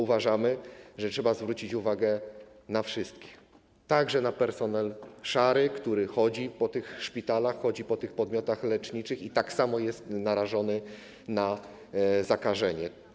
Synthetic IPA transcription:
uvaʐamɘʐɛtʂɛbazvɾut͡ɕit͡ɕuvaɡɛ | nafʂɘst̪kʲi̥x | t̪aɡʐɛnapɛɾsɔnɛlʂaɾɘkt̪uɾɘxɔd͡ʑipɔt̪ɘxʂpʲit̪alaxːɔd͡ʑipɔt̪ɘxpɔd̪mʲjɔt̪axlɛt͡ʂɲit͡ʂɘxit̪aksamɔjɛst̪naɾaʐɔnɘ | na | zakaʐɛɲɛ

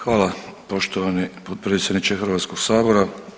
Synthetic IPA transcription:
xʋaːlˠapo̞ʃt̪oʋanipod̪̚pɾeːt̪sʲjed̪nit͡ʃexɨɾʋaːt̪sko̞ɡ̥saːbo̞ɾa

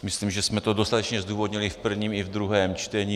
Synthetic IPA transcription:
misliːmʒɛsmɛt̪od̪ost̪at̪ɛt͡ʃɲɛzd̪uːvod̪ɲilifpr̩vɲiːmivd̪ɾuɦɛːmt͡ʃt̪ɛɲiː

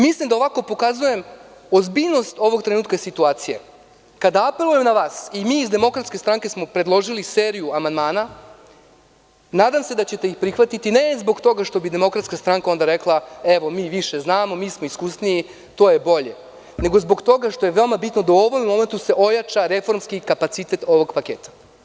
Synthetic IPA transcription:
mislˠimd̪aoʋako̞po̞kazuje̞m | o̞zbiʎno̞st̪o̞ʋo̞ɡt̪ɾenuːt̪kaesit̪uaːt̪sijḛ | kad̪aape̞luje̞mnaʋaːsimiːzd̪e̞mo̞kɾat̪skʲe̞st̪ɾaŋke̞smo̞pɾed̪lˠo̞ʒiliseːɾijuamand̪maːna | naːd̪amse̞d̪at͡ɕe̞t̪e̞ixpɾixʋat̪it̪ine̞zbo̞ɡt̪o̞ɡaʃt̪o̞bid̪e̞mo̞kɾat̪skast̪ɾaŋkao̞nd̪aɾe̞klˠae̞ʋo̞miːʋiʃe̞znaːmo̞miːsmo̞iskusniji | t̪o̞ːje̞bo̞ʎe̞ | ne̞ɡo̞zbo̞ɡt̪o̞ɡaʃt̪o̞jeʋe̞omabit̪nod̪auo̞ʋo̞memo̞me̞nt̪use̞ʔo̞jat͡ʃaɾe̞fo̞ɾmskikapat̪sit̪e̞t̪o̞ʋo̞ɡpakeːt̪ḁ

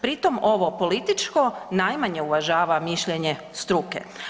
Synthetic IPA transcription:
pɾit̪o̞mo̞ʋopo̞lit̪it͡ʃko̞najmaɲe̞uʋaʒaːʋamiʃʎeɲe | st̪ɾukḛ

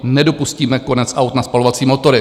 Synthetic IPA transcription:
nɛdo̞pusciːmɛko̞nɛt͡sʔawt̪naspalo̞vat͡siːmo̞t̪o̞ɾɪ

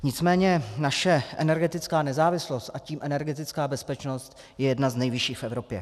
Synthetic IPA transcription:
ɲɪt͡smɛːɲɛnaʃɛʔɛ̰nɛɾɡɛt̪ɪt͡skaːnɛzaːvɪslo̞st̪ʔaciːmʔɛnɛɾɡɛt̪ɪt͡skaːbɛspɛt͡ʃno̞st̪ | jɛjɛdnaznɛjvɪʃiːxfʔɛvɾo̞pjɛ̰

